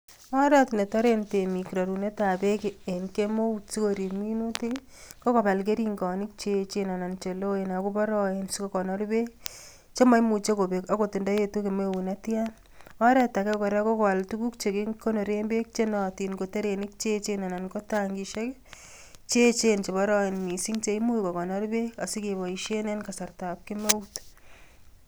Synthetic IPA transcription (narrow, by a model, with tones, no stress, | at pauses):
ɔ˦ɾa˦tine˨ta˦ɾente˨mi˨kɾa˨ɾu˨ne˦ta˨be˦kee˨nke˦mo˦usi˦ko˨ɾi˨mi˦nu˦te˦k | ko˦kɔ˨ba˨lk̬e˦ɾi˦ŋɡɔ˨nɪ˦k̚t͡ʃe˦t͡ʃe˦na˨na˨nt͡ʃe˨lo˦ena˨ku˦bɔ˦ɾɔ˦ensiko˨kɔ˨nɔ˦ɾbe˦k | t͡ʃe˦ma˦jmu˨t͡ʃe˦ko˨be˨ka˦ko˨tɪ˨nda˦je˦tu˦ke˨mewu˨natja˦n | ɔ˦ɾɛta˨kɛ˦kɔ˨ɾɛ˦ko˦kaltu˦ku˦kt͡ʃe˨keko˦no˨ɾembe˦k̚t͡ʃe˦nɔ˨ti˨nko˨te˦ɾe˨nɪ˦k̚t͡ʃe˦t͡ʃena˨na˨nko˦taŋɡiʃe˦k | t͡ʃe˦t͡ʃent͡ʃe˨bɔ˦ɾɔ˦enmi˨si˦ŋt͡ʃe˦imu˦ikɔ˨kɔ˨nɔ˦ɾbea˨si˦ke˨βɔ˨iʃe˦nenkasa˨rta˨p̚kɪ˦me˦ut